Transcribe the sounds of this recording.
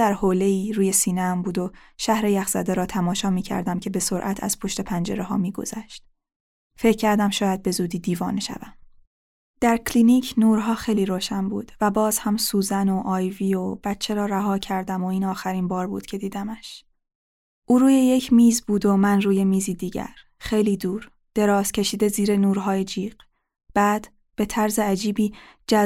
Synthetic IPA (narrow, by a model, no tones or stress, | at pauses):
d̪æɾhoːle̞iːɾuːje̞siːneæmbuːd̪oʃæhɾejæxz̥æ̰d̪eɾɒːt̪ʰæmɒːʃɒːmiːcʰæ̰ɾd̪æmcʰe̞be̞so̞ɾʔæ̰t̪ʰæ̰z̥pʰo̞ʃt̪e̞pʰænd͡ʒe̞̰ɾeɦɒ̰ːmiːɡo̰zæʃt̪̚ | fe̞cʰcʰːæɾd̪æmʃɒːjæd̪̚be̞zuːd̪iːd̪iːvɒːneʃæ̰væm | d̪̥æɾkʰlinicʰnuːɾɦɒːxejliːɾoːʃænbṵːd̪̥væbɒːz̥hæmsuːzænoʔɒːjviːob̥æt̪t͡ʃʰe̞ɾɒːɾæɦɒːcʰæɾd̪æmoiːnɒːxæɾiːnbɒːɾbṵːd̪̥cʰe̞d̪iːd̪æmæʃ | ʔuːɾuːje̞je̞cʰmiːzbuːd̪omænruːje̞miːziːd̪iːɟæ̰ɾ | χe̞jliːd̪uːɾ | d̪̥e̞ɾɒːz̥cʲʰe̞ʃiːd̪e̞ziːɾe̞nuːɾɦɒːjed͡ʒiːɢ̥ | b̥æːd̪̥ | b̥e̞t̪ʰæɾzeæd͡ʒiːbiːd͡ʒæ